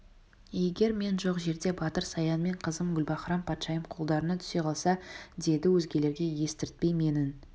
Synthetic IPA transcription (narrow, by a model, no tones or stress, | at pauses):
je̞ɡʲe̞ɾme̞nʒo̞qʒe̞ɾd̪e̞bɑt̪əɾsɑjɑnme̞ɴqʰəzəmɡʲʏlbɑχɾɑmpʰɑt̪ʃɑjəmqʰolˠd̪ɑɾənɑt̪ʰʏ̥se̞qʰɑlˠsɑd̪e̞d̪ɪwɵzɡʲe̞le̞ɾɡʲe̞je̞st̪ɪɾɪt̪̚pe̞jme̞nɪn